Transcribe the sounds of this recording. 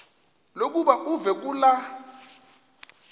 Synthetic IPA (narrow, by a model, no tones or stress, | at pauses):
lok̬ʼuɓaʔuvɛk̬ʼula